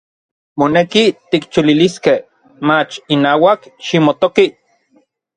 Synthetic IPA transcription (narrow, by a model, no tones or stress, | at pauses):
monekit̪ikt͡ʃuliliskeh | mat͡ʃinaːwakʃimot̪oki